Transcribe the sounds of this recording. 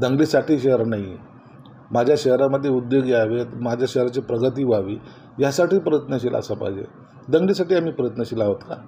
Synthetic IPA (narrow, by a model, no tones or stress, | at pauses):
d̪əŋɡliːsaʈiːɕeəɾnai | mad͡ʑʱjaɕəɦɾaməd̪ʱːjeud̪joɡiaʋet̪mad͡ʑʱjaɕəɦɾat͡ɕipɾəɡət̪iːʋaʋiː | jasaʈiːpɾəjət̪nəɕ̬ila̰səpa̰jd͡ʑḛ | d̪əŋɡliːsaʈiːam̤iːpɾəjət̪nəɕilaɦot̪ka̰